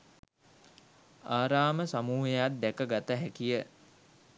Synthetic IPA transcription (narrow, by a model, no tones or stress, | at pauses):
aːɾaːməsamuːɦejat̪̚d̪ɛkəɡat̪əɦækijə